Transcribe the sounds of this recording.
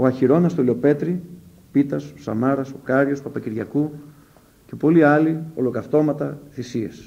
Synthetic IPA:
o̞ɐçiɾo̞nɐst̪oleo̞pe̞t̪ɾi | pit̪ɐso̥sɐ̰mɐɾɐsokɐɾʝospɐpɐciɾʝɐku | ce̞po̞liɐlio̞lo̞kɐft̪o̞mɐt̪ɐθisies

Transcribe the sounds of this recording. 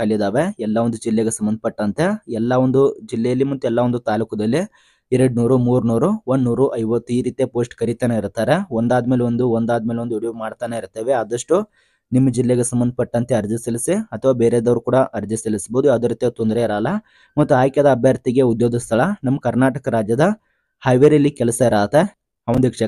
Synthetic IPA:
kɐɭːid̪aːʋe̞ɛlːɐond̪ud͡ʒilːeɡesɐmbɐnd̪̚ʱɐpɐʈːɐnt̪e̞ɛlːɐond̪ud͡ʒilːɛjɐlːimɐt̪ːuɛlːaʋond̪ut̪aːluːkɐd̪ɐlːi | iɾeɽnuːɾumuːɾnuːɾuonːuːɾuʔɐjʋɐt̪ːiːɾiːt̪jepoːsʈkɐɾit̪aːneiɾt̪aːɾe̞ond̪aːd̪meːleo̞nd̪uond̪aːd̪meːleond̪uuɽiʋumaːɽt̪aːneiɾt̪eːʋeaːd̪ɐʂʈu | nimːɐd͡ʒilːeɡesɐmbɐnd̪ʱɐpɐʈːɐnt̪eɐɾd͡ʒisɐlisiɐt̪ʰɐʋaːbeːɾed̪ɐʋɾukuːɽɐʔɐɾd͡ʒisɐlisboːd̪uɐd̪oɾiːt̪jɐt̪ond̪ɾeiɾaːlːɐ | mɐt̪ːuaːjkjɐd̪ɐːbʱjaːɾt̪iɡeud̪joːɡist̪ʰɐɭɐnɐmːɐkɐɾnaːʈɐkɐɾaːd͡ʒjɐd̪ɐ | hɐjʋeɾɐlːikɛlɐsɐiɾaːt̪e | ɐʋond̪ʋikʂe

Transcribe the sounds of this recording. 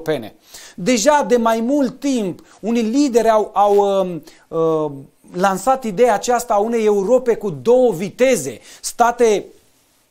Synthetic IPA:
pe̞ne̞̰ | d̪e̞ʒad̪e̞majmult̪ːimp | unilid̪e̞ɾʲawawə | lansat̪id̪e̞jaːt͡ʃast̪aune̞je̞uɾo̞pe̞kud̪o̞wəvit̪e̞ze̞̰st̪at̪e̞

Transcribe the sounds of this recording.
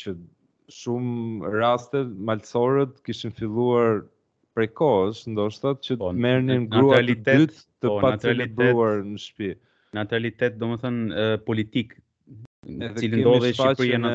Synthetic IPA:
t͡ɕə | ʃumɾast̪ɛmalsɔɾɛt̪kiʃinfilˠuaɾ | pɾɛkɔsnd̪ɔʃt̪atcəpɔmɛɾninɡnɾuɾalid̪ɛyt̪ː | əɔpaat̪ɾalɛibɛuaɾnəʃpi | nat̪uɾalit̪ɛt̪̚d̪ɔmɛθənpɔlit̪ik | nɛðɛilind̪ɔðɛaaɾjɛn

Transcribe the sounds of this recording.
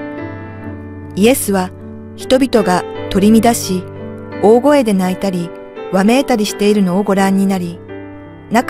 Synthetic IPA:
ie̞sɨβa | çi̥t̪o̞bʲit̪o̞ɡat̪o̞ɾʲimʲid̪aɕi | o̞ːɡo̞e̞d̪e̞nait̪aɾʲi | βame̞ːt̪aɾʲiɕi̥t̪e̞iɾɯ̟no̞ːɡo̞ɾãɲ̟ːinaɾʲi | nak

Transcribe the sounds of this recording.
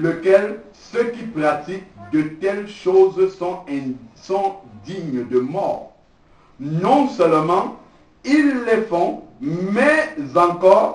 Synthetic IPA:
ləkɛl | søkipχat̪ik̚d̪ət̪ɛlʃozsɔ̃ɛ̃sɔ̃d̪iɲd̪əmɔːʁ | nɔ̃sœlmɑ̃ | ilːɛfɔ̃mɛzɑ̃kɔʁ

